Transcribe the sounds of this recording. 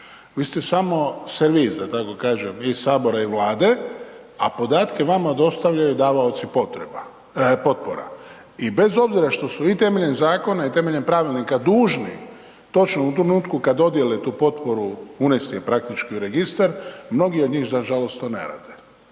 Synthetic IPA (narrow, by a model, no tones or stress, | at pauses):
ʋiːst̪esamo̞seɾʋisd̪at̪ako̞kaːʒemisaːbo̞ɾaiʋlaːd̪e̞ | apo̞d̪aːt̪ke̞ʋamad̪o̞st̪aʋʎajud̪aːʋaot̪sipot̪ɾeba | po̞t̪poɾa̰ | ibe̞zo̞bziɾaʃt̪o̞suit̪eme̞ʎenzaːko̞nait̪e̞me̞ʎenpɾaʋilnikad̪uːʒnḭ | t̪o̞t͡ʃnout̪ɾe̞nuːt̪kukad̪o̞d̪je̞let̪uːpo̞t̪po̞ɾuunest̪iepɾak̚t̪it͡ʃkiuɾe̞ɡist̪aɾmno̞ɡiod̪ɲiːxzaʒalo̞st̪ːoːnḛɾa̰ːd̪e